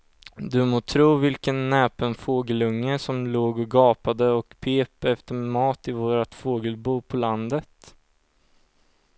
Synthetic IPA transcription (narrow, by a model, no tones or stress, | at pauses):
d̪ɵmoːt̪ʰɾuːvɪlkənːɛːpənfoːɡəlɵŋːəsɔmloːɡɔɡɑːpad̪əɔkpʰeːpɛft̪əɾmɑːt̪ɪvoːɾat̪foːɡəlbuːpʰɔland̪ət̪